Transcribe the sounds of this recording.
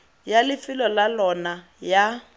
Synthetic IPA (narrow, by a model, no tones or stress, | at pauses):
jalɪfɪlɔlalɔna | ja